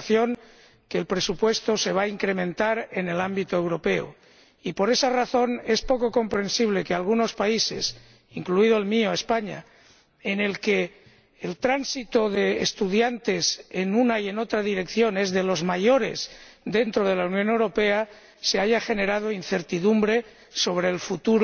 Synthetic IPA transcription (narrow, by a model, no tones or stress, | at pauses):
θjo̞ŋ | keːlpɾe̞supwe̞st̪o̞se̞β̞aiŋkɾe̞mẽnt̪aɾe̞ne̞lambit̪oewɾo̞pe̞o̰ | ipo̞ɾe̞saraθo̞ne̞spo̞ko̞ko̞mpɾe̞nsiβ̞le̞kealɣ̞uno̞spaise̞̰s | iŋkluið̞oelmioespaɲa̰ | ene̞lkeː | lt̪ɾansit̪oðeːst̪uðjant̪e̞senunaie̞no̞t̪ɾaðiɾe̞kθjo̞ne̞zðe̞lo̞zmajo̞ɾe̞̰sd̪e̞nt̪ɾo̞ð̞e̞launjone̞wɾo̞pe̞a | se̞aʝaxe̞ne̞ɾaðoin̟θe̞ɾt̪iðumbɾe̞ | so̞β̞ɾe̞ːlfut̪uɾ